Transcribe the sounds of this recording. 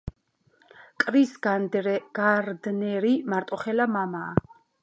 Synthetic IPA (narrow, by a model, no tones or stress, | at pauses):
kʼɾis | ɡ̥aɾd̪nɛɾimaɾt̪ʼɔχɛlamamaː